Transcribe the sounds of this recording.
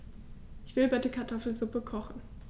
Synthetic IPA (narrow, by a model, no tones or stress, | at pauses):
ʔɪçv̥ɪlbɛɪtəkʰaɐtʰɔfl̩zʊpəkʰɔχn̩